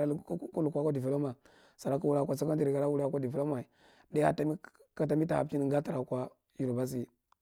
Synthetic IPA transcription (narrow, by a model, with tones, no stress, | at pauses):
a˦˨˦ku˦lu˨kʷa˦kʷa˦di˨ve˨lo˦ma˨ | sa˨ɾa˦ku˦wu˦ɾa˦˨kʷa˨sa˦ka˦nd͡ʒi˨ɾi˨ɡa˨la˦wu˦ɾkʷa˦di˨vlo˦ma˨i˨ | da˦a˦ta˨mi˦ka˨ta˨mi˦ta˨a˨˦t͡ʃi˦ni˨ŋɡa˦ta˨ɾa˨kʷa˦ | ju˨ɾo˨ba˦s̬i˦